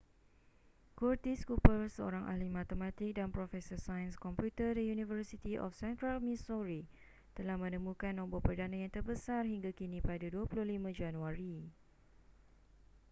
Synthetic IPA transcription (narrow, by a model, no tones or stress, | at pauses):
kurt̪iskupəlsəo̰ɾaŋʔa̰limãt̪əmãt̪ɪk̚danpɾɔfɛsɔsajənskɔmpjut̪ədijunivərsit̪iʔɔ̰fsɛnt̪ɾalmĩsɔɾi | t̪əlahmə̃nə̃mũkanːɔ̃mbɔpərdanãjaŋt̪ərbəsarɦiŋɡakinĩpadaduapulʊhlimãd͡ʒanũaɾi